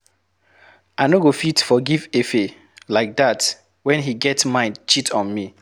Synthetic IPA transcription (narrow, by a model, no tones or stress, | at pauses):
aɪnoɡofitfɔɡivefe | laɪk̚ðat | wɛ̃nɦiɡɛtsmãɪ̃ndt͡ʃitʰɔ̃nmi